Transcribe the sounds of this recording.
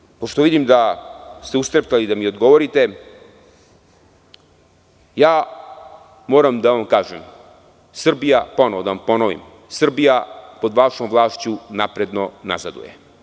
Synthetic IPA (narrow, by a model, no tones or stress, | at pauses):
poʂt̪o̞ʋid̪imd̪ast̪eust̪ɾept̪alid̪amio̞d̪ɡo̞ʋoɾit̪e | jaː | mo̞ːɾamd̪aʋamkaːʒem | sr̩bijapo̞noʋod̪aʋampo̞noʋḭm | sr̩bijapo̞d̪ʋaʃomʋlˠaːʃt͡ɕunapɾe̞d̪no̞na̰zad̪ṵjḛ